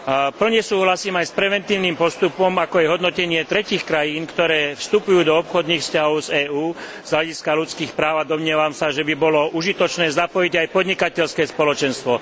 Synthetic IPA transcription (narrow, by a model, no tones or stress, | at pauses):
pl̩ɲɛsuːɦlasiːmajspɾɛʋɛnt̪iːʊniːmpɔst̪upɔmakɔaɛjɦɔd̪nɔcɛɲɪɛt̪ɾɛciːxkɾajiːnkt̪ɔɾɛːfst̪upujuːd̪ɔɔpxɔd̪niːxfscaɦɔʊzɛːuː | z̥ɦlaɟiskalut͡skiːxpɾaːʊad̪ɔmɲɪɛʋamsaʒɛbibɔlɔʔuʒit̪ɔt͡ʃnɛːzapɔjiɟajpɔd̪ɲikacɛʎskɛːspɔlɔt͡ʃɛnst̪ʋɔ